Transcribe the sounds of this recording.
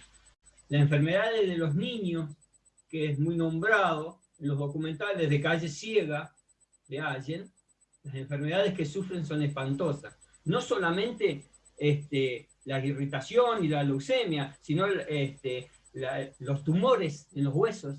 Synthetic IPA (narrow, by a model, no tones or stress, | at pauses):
laseɱfeɾme̞ðaðezðelo̞zniɲo̞s | keezmujnõ̞mbɾaðo̞ | enlo̞ɦðo̞kument̪aleðekaʒe̞sjeɣa | ðeaʒe̞n | lasẽ̞ɱfeɾme̞ð̞aðeskesufɾe̞ns̬o̞nespant̪o̞sas | no̞so̞lamẽ̞nt̪e̞ | est̪e | lairit̪asjonilalowsemjasino̞est̪e | alo̞st̪umo̞ɾesenlo̞ɦɣwe̞sos